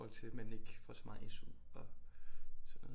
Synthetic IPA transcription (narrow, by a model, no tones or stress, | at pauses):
ɒ̽l̰t͡sʰe̝mene̝ɡ̥fɒ̰sɒ̥mɑ̈ːð̩ˠesuɒ̽ | sɒnːɔː